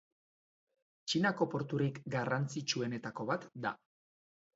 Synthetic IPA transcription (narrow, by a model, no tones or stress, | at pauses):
t͡ʃinako̞po̞ɾt̪uɾikɡarant͡sit͡ʃue̞ne̞t̪ako̞βat̪d̪a̰